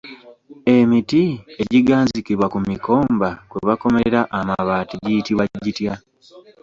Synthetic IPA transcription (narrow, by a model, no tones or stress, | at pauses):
e̞mitie̞ɟiɡaːɲzikiβwakumiko̞ːmbakweβakomeeɾaʔamaβaːtiɟitiβaɟitja